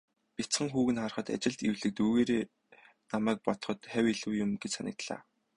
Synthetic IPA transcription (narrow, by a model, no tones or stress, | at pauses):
pʲit͡sχə̆ŋxuːɣɘ̆nχarχə̆t̪a̰t͡ɕɪ̆ɮt̪iwɮɘ̆k̚t̪uːɣeːɾeː | namæːk̚pɔt̪ɞ̥̆χɞ̆t̪χæwiɮɘ̆wjʊmɡet͡ɕsanʲɪ̆k̚t̪ɮa̰ː